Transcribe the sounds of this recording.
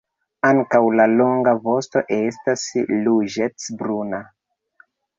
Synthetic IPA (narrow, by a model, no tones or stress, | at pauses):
aŋkawlalo̞ŋɡavo̞sto̞̰ʔe̞stasluʒet͡sbɾuna